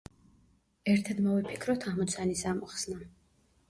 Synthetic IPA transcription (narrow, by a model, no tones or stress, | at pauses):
ɛɾt̪ʰad̪mɔvipʰi̥kʰɾɔt̪ʰamɔt̪sʰanisamɔχsna